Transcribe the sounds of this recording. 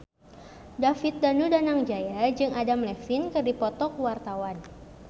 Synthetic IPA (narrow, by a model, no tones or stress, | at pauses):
dafit̪̚danudanaŋd͡ʒajad͡ʒɨŋadamlɛksɪnkɨdipɔt̪ɔk̚wart̪awan